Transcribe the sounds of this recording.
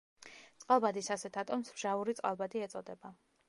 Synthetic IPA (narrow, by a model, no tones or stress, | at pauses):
t̪sʼqʼalˠbad̪isasɛt̪ʰat̪ʼɔmsbʒ̥auɾit̪sʼqʼalˠbad̪iɛt̪sʼɔd̪ɛba